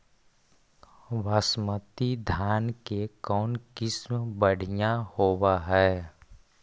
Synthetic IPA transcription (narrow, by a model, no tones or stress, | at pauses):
ʋaːsmət̪id̪ʱjaːnkekɔːnkɪsmbəɽ̤ijahoːwaɦɛː